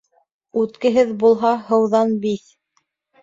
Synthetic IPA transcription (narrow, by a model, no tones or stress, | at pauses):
ʉt̪kɘ̆ɦɘðbulˠɦɑɦɤ̆wðɑnbiθ